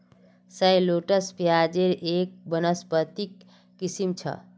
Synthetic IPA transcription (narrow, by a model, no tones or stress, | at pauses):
səjloʈəspjad͡ʒeɾek̚bənəspət̪ikː | isimt͡ʃʰə̰